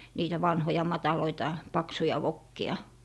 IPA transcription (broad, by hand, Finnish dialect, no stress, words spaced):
niːtæ ʋɑnhojɑ mɑtɑloitɑ pɑksujɑ ʋokːiɑ